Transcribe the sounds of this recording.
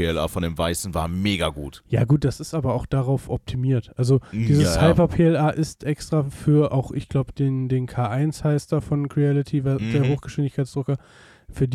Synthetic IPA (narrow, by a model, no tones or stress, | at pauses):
eɛlʔa̰ːfɔndeːmva̰ɪsn̩va̰ːɐmeːɡaɡṵːtja̰ːɡuːt̚d̥asɪstʔaːbɐaʊxd̥aʁaʊfʔɔp̚tʰimiːɐtʔalzod̥iːzəshaɪpɐpʰeːɛlʔaːʔɪstʔɛkstʁ̥afyːɐʔa̰ʊxʔɪçɡ̥laʊbəd̥eːndeːnkʰaːʔaɪnshaɪstd̥aːfɔnkʁiɛlɪtʰivad̥eːɐɦoːxɡ̥əʃv̥ɪndɪçkʰaɪt͡ssd̥ʁʊkɐ | fyːɐd